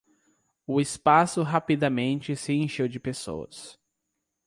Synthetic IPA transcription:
ʊɪspasʊɦapid̪amẽnt͡ʃɪsɪẽʃewd͡ʒɪpeso̰wɐ̰s

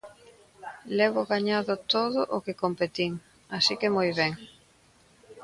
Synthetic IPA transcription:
lɛβʊɣaɲaðʊt̪oðʊʔʊkekompet̪iŋ | asikemojβɛŋ

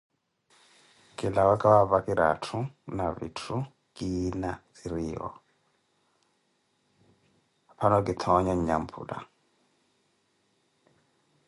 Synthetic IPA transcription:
kʼilawakʼawaβakiɾa̰tʰunaβḭtʰu | kʼinat͡siɾiːɦɔ̰ | pʰanɔkit̪ʰɔɲaɲɲampʰṵːda̰

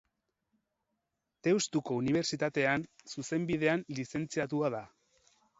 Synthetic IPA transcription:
t̪e̞ust̪uko̞uniβ̞e̞ɾt͡sit̪at̪e̞ansuse̞mbiðe̞anlise̞nt͡siat̪̬uaða

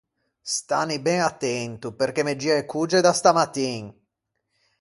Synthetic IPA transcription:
st̪a̰nibɛŋat̪ːɛnt̪uperk̟emed͡ʒːiaekʰːud͡ʒed̪ast̪amat̪ːiŋ

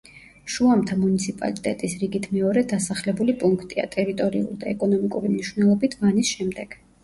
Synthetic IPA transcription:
ʃuamt̪ʰamunit̪sʰipʼa̰lit̪ʼɛ̰t̪ʼisɾiɡit̪ʰmɛɔɾɛd̪asaχlɛbulipʼuŋkʰt̪ʼia̰t̪ʼɛɾit̪ʼɔɾḭṵlˠd̪aɛkʼɔnɔmikʼuɾimniʃwnɛlˠɔbit̪ʰvanisʃɛmd̪ɛɡ̥

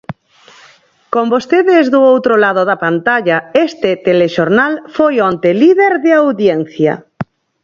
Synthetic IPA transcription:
kombost̪eðɪzðʊowt̪ɾolaðʊðapant̪aʎaest̪et̪eleʃoɾnalfojɔnt̪eliðeɾðɪawðjɛnθja̰

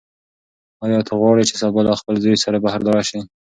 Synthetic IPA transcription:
ɑjɑt̪ʰaɣwɑɽit͡ʃesɑbɑlɑxpəlzojsaɾabahaɾd̪aɾɑʃi

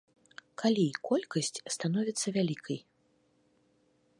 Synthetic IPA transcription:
kʰalʲikɔlʲkɐsʲt͡sʲst̪anɔvʲit̪sːɐvʲalʲikʰɐj

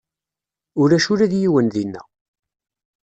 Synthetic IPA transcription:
ʊɾæʃʊɾæðjiwənðinːæ̰

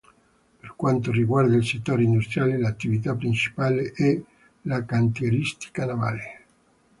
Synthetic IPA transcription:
perkwant̪oriɡward̪ailset̪ːoːɾeind̪ust̪ɾjaːlelat̪ːivit̪apːɾint͡ʃi̥paːleʔɛ | lakant̪jeɾist̪i̥kanava̰ːle

